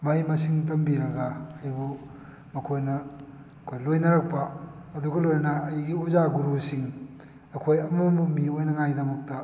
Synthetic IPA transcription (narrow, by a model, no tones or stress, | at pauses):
mɐjmɐsiŋtɐmbiɾɐɡaːjbu | mɐkʰojnɐ | ɐkʰojlojnɐɾɐk̚pɐːduɡɐlojnɐnɐːjɡiozaɡuɾusiŋ | ɐkʰojɐmombumiojnɐŋajdɐmɐk̚tɐ